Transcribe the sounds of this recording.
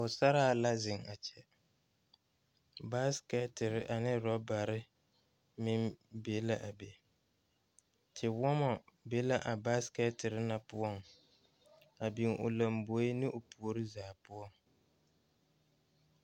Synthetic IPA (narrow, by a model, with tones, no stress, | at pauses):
ʊ˨sa˦ɾaː˦˨la˦zɪ˨ŋa˨t͡ʃɛ˨ | ba˦skɛ˦tɪ˨ɾɪ˦ʔa˨nɪ˦ɾɔ˦ba˨ɾɪ˦ | mɪ˦mbe˨˦la˦ʔa˨be˨ | tʰɪ˨wɔ˦mɔ˨be˨˦la˦ʔa˨ba˦skɛ˦tɪ˨ɾɪ˦na˨pʊ˦ɔ˦˨ŋ | a˨bi˨ŋʔʊ̰˨la˨mbo˨˦i˦nɪ˦ʔʊ˨pu˨o˨ɾɪ˦zaː˨pʊ˦ɔ˦˨ŋ